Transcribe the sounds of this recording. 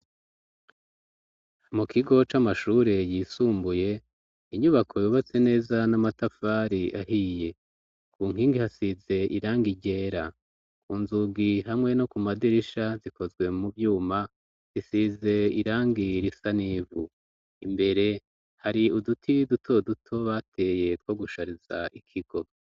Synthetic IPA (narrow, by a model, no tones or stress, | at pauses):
mukʰiɡo̞t͡ʃamaʃuːɾe̞jisuːmbuje̞ | iɲuβakʰo̞juβat͡se̞ne̞ːzanamatafaːɾiaɦije̞ | kuːŋ̥hiːŋɡihasize̞ʔiɾaːŋɡiɟe̞ːɾa | kuːnzuɡiɦamŋe̞no̞kumadiɾiʃaziko̞zɡwe̞muvjuːma | zisize̞iɾaːŋɡiɾisaniːvu | imbe̞ɾe̞ | haɾiudutʰidutʰo̞dutʰo̞βatʰe̞je̞twoɡuʃaɾiza̰ʔikʰiɡ̥o̞